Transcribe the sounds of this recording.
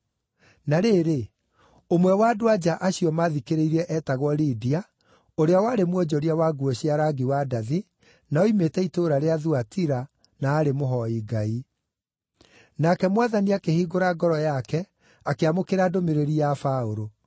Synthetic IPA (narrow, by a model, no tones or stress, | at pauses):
naɾeːɾe | omwɛwadoad͡ʑaʔaɕiɔmaðikeɾeiɾɛʔɛtaɣwɔlidia | oɾeawaːɾemwɔd͡ʑɔɾiawaɡuɔɕiaɾaɡiwadaði | naɔimetɛitoɾaɾeaðuatiɾa | naːɾemoɦɔiɡai | nakɛmwaðaniakehiːɡoɾaɡɔɾɔjakɛ | akeamokeɾaːdomeɾeɾijafaoɾo